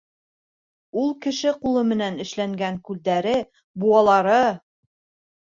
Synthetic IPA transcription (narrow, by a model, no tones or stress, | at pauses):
ulˠkɘ̆ʃɘqulˠɤmɘ̆nænɘ̆ʃlæŋɡæŋkʉld̪æɾɘ | buɑlˠɑɾɤ